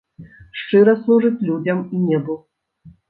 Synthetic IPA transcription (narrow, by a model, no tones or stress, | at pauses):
ʂt͡ʂɨɾɐslˠuʐɨt͡sʲlʲud͡zʲɐminʲɛbɨw